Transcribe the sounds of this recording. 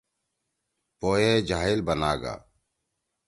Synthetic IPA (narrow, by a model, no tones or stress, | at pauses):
poːjeːd͡ʒaːɦɪlbənaːɡa̰ː